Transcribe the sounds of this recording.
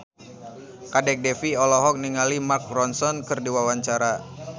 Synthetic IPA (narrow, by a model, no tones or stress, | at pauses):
kadɛk̚dɛfiɔlɔɦɔk̚niŋalimark̚rɔnsɔnkɨrdiwawaɲt͡ʃaɾa